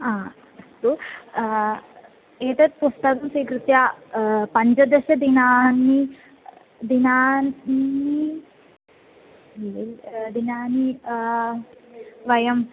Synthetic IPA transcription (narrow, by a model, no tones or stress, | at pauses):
aː | ɐst̪u | eːt̪ɐt̪̚pust̪ɐkɐmsiːkɾut̪jaːpɐɲd͡ʒɐd̪ɐʃɐd̪inaːnːi | d̪inaːni | eld̪inaːni | ʋɐjɐm